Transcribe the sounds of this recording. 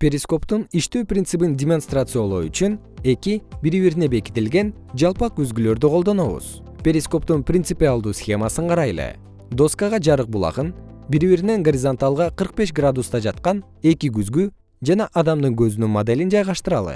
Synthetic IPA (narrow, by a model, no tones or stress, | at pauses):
pʲeɾʲɪsko̞pt̪uniʃt̪øːprʲint̪sɨbindʲɪmo̞nst̪rat̪sɨjolˠo̞ɾy̰t͡ʃyn | e̞kibiɾiβiɾne̞be̞ki̥t̪ilɡe̞n | d͡ʒɑlˠpɑk̚yzɡylø̞ɾd̪yqʰo̞lˠd̪o̞no̞βṵz̥ | pʲe̞ɾʲɪsko̞p̚t̪unprʲɪnt̪sɨpʲialˠd̪uːsxʲe̞masɯɴqʰɑɾɑjlˠɯ̰ | d̪o̞skəʁɑd͡ʒɑɾɯq̚bulˠɑ̰ʁɯnbiɾiβiɾine̞ŋɡoɾʲizant̪alˠʁɑqʰɯɾq̚be̞ʃɡrad̪ust̪ɑd͡ʒɑt̪̚qɑn | e̞kiɡyzɡy | d͡ʒɑnɑʔɑd̪ɑmd̪ɯŋɡø̞zynynmod̪e̞lʲind͡ʒɑjʁɑʃt̪ɯɾɑlˠɯ̰